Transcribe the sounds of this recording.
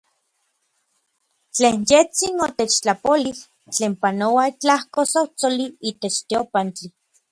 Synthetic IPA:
t͡ɬeːnjet͡sinot̪et͡ʃt͡ɬapoli | t͡ɬeːmpanowait͡ɬahkosot͡soliiːt̪et͡ʃt̪iopant͡ɬi

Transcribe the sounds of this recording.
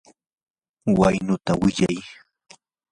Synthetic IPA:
wajnʊt̪awɪʎa̰j

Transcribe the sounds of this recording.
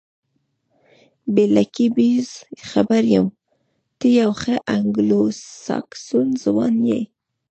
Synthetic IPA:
belakibizxabaɾjəm | t̪əjawxəʔaŋɡlossɑ̰ksunzwɑnjḛj

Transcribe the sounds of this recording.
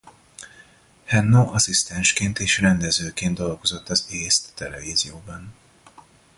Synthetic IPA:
hɛnːoʔɒsist̪ɛnʃkeːnt̪eːʃrɛnd̪ɛzøːkeːnd̪o̞lɡo̞zo̞t̪ːɒzeːst̪ːɛlɛ̰viːzijoːbɒn

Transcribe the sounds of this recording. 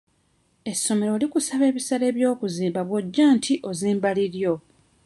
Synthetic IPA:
e̞sːo̞me̞ɾo̞ːlikusaβe̞ːβisaɾe̞ːβjo̞ːkuziːmbaβwoɟːaːntʰiʔo̞ziːmbaliɾjo̞

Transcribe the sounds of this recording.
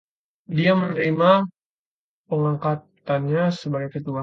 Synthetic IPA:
diamənəɾima | pəŋaŋkat̪ | anɲasəbaɡajkət̪ua

